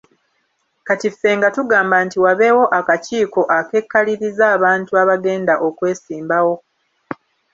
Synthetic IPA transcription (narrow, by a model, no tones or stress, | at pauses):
katifːe̞ːŋɡatuɡaːmbaːntiwaβe̞wo̞ʔakaciːko̞ʔake̞kːaliɾizaːβaːntuaβaɡe̞ːndaʔo̞kwe̞ːsiːmbawo̞